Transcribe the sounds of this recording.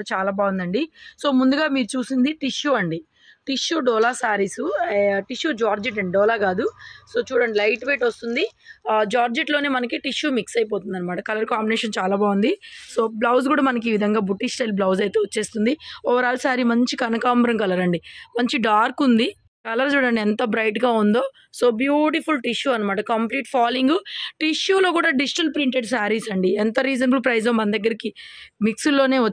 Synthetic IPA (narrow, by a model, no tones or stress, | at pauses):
ɽut͡ʃaːlaːbaːwund̪ɐɳɖiso̞ːmund̪uɡaːmiːɾut͡ʃuːsind̪iʈiʂjuːɐɳɖi | ʈiʃuːɖɔːlaːsaːɾisuʈiʃjuːd͡ʒaːɾd͡ʒiʈɐɳiɖɔːlaːɡaːd̪uso̞ːt͡ʃuːɽɐɳɖilɐjʈʋeːʈost̪und̪id͡ʒaːɾd͡ʒiʈlo̞ːneːmɐnɐkiʈiʂjuːmiksɐjip̬oːt̪und̪ɐnːɐmaːʈɐkɐlɐɾkaːmbineːʂɐnt͡ʃaːlaːbaːund̪iso̞ːblɐws̬ɡuːɽaːmɐnɐk̬iːʋid̪ʱɐŋɡaːbuʈːisʈɐjlblɐwsɐjt̪eːʋot͡ʃːe̞ːst̪und̪iɔʋɐɾaːlsaːɾimɐɲt͡ʃikɐnɐkaːmbɾɐŋkɐlɐɾɐɳɖimɐɲt͡ʃiɖaːɾkund̪i | kɐlɐɾt͡ʃuːɽɐɳɖiɛnt̪ɐbɾɐjʈɡaːund̪o̞ː | so̞ːbjuːʈipʰulʈiʃjuːɐnɐmaːʈɐkɐmpliːʈpʰaːliŋɡʈiʂjuːlo̞ːkuːɽaːɖid͡ʒiʈɐlpɾiɳʈeɖsaːɾiːsɐɳɖiɛnt̪ɐɾiːd͡ʒɐnbulpɾɐjd͡ʒɐːmːɐnɐd̪ɐɡːɐɾikimiksulːo̞ːne̞ːɐ